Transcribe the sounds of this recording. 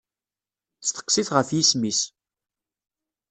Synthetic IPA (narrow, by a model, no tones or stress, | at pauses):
θst̪ə̥qːsiθʁəfjismis